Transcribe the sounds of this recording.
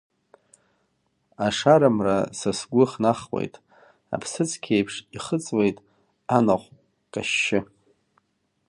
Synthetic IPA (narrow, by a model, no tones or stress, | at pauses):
aʂaɾamra̰sasɡʷʊχnaχwʷḛjtʼ | a̰pʰsɨt͡sʼʰkʲʰejpʰʂiχət͡sʼwejtʼ | anaχʷ | kʼaʃːɪ